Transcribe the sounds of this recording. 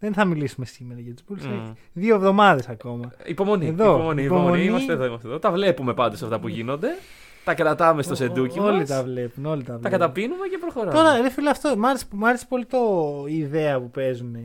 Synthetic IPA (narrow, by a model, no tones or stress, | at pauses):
ðenθɐmilisumesime̞ɾɐʝɐt̪u̥zbulsei̥ | ðioevðo̞mɐðe̞sɐko̞mɐipomo̞nieðo̞poonipoomonimɐst̪eðoimɐst̪eðot̪ɐvle̞pume̞pɐnd̪osɐft̪ɐpuʝino̞nd̪e̞ | t̪ɐkɾɐt̪ɐmest̪o̞se̞d̪uciolit̪ɐvle̞puno̞lit̪ɐvt̪ɐkɐt̪ɐpinumecepɾoxoɾɐt̪o̞ɾɐɾefilɐft̪omɐɾese̥mɐɾese̥po̞lit̪o̞iðe̞ɐpupe̞zune